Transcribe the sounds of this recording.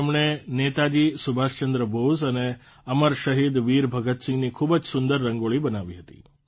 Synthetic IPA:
mɳ̃enet̪ad͡ʒisubʱaʃt͡ʃənd̪ɾəbʱosəne | əməɾʃəɦid̪ʋiɾbʱəɡət̪sɪ̃ŋɡnikʰubəd͡ʒsʊnd̪əɾːəŋɡoɭibənaʋiɦət̪ḭ

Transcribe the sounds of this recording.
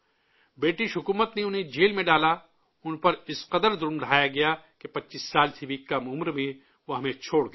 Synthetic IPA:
beːʈiʃɦʊkuːmət̪neʊnɦẽd͡ʒeːlmẽɖaːla | ʊnpɐɾɪsqɐd̪əɾd̪ʊɾmɖɐaːjaɡɐjakepɐtːʃiːsːaːlt̪ʰɪbiːkːamʊmɾmẽ | ʋoɦɐmẽt͡ʃʰoːɽɡɐ

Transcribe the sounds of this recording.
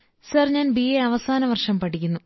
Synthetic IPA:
sɐːrɲaːnbieɐʋɐsaːnɐʋɐrʂɐmpɐʈikʲːunːu

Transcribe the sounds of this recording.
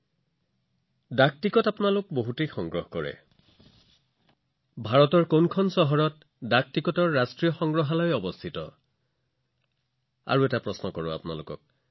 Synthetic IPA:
dak̚tikɔtapunalʊk̚boɦutejxɔŋɡɹɔɦkɔɹɛ̰ | bʱaɹɔtɔɹkonkʰɔnsɔɦɔɹɔt | dak̚tikɔtɔɹːastɹijɔxɔŋɡɹɔɦalɔjɔbɔst̪ʰitɔ̰ | a̰ɹuɛtapɹɔsnɔkɔɹɔa̰pʊnalʊkɔ̰k̚

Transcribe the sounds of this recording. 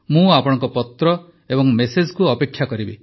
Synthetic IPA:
mũapɔɽ̃ɔŋkɔpɔt̪ɾɔ | ebɔŋmesed͡ʒɔkuɔpekʰːjakɔɾibi

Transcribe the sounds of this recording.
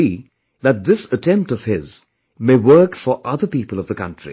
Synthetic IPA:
i | ðət̚ðɪsətʰɛ̃mp̚tʌv̥hɪz | meːwɜ˞kfəʔʌðə˞piːpəl̩ˠʌvðəkʰʌ̰̃ntɹ̥ḭ

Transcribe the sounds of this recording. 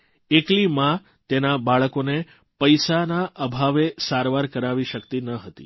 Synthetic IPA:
eklimã | t̪enabaɭəkone | pəjsanaʔəbʱaʋesaɾʋaɾkəɾaʋiʃəkt̪inəɦət̪ḭ

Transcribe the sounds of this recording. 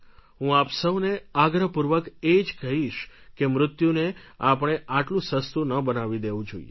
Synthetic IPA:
ɦũapsəwneaɡɾəpuɾʋəked͡ʒkəɦiʃkemɾʊt̪juneapɽ̃eʔaʈlũsəst̪unəbənaʋid̪eʋũd͡ʒoḭjḛ

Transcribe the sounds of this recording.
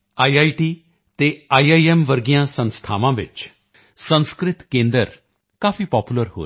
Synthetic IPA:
aːiaːiʈiː | t̪eːaːaːiɛːmʋəɾɡijãːsə̃nst̪ʰaːʋãːʋɪ̰t͡ʃ | sə̃nskɾɪt̪kẽːnd̪əɾ | kaːfʰiːpɔːpjuːləɾho̰ː

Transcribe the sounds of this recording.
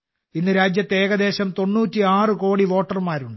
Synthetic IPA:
inːɨɾaːd͡ʑjɐt̪ːeːɡɐd̪e̞ːɕɐmt̪o̞nːuːtːiaːrɨko̞ːɽiʋo̞ːʈːɐrmaːɾuɳɖɨ

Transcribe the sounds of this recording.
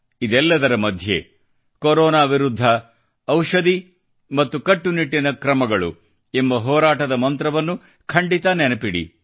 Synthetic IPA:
id̪ɛlːɐd̪ɐɾɐmɐd̪ʱjḛ | koɾɔːnaːʋiɾud̪ʱːɐ | ɐwʂɐd̪i | mɐt̪ːukɐʈːuniʈːinɐkɾɐmɐɡɐɭṵ | embɐɦɔːɾaːʈɐd̪ɐmɐnt̪ɾɐʋɐnːu | kʰɐɳɖit̪ɐnɛnɐpiɽḭ

